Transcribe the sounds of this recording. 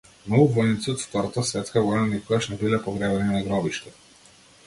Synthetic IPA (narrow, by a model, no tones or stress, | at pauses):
mnɔɡuvɔjnit̪siɔt̪ft̪ɔɾat̪asvɛt̪skaɡɔjnanikɔɡaʃnɛbilɛpɔɡɾɛbɛninaɡɾɔbiʃt̪ɛ